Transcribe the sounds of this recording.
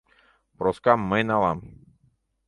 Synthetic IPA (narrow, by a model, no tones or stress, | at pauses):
pɾɔskamːenalam